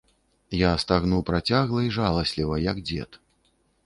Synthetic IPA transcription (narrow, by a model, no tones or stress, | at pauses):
jast̪aɣnuwpɾat͡sʲaɣlˠɐiʐalˠɐsʲlʲivɐjɐɡd͡zʲɛ̰t̪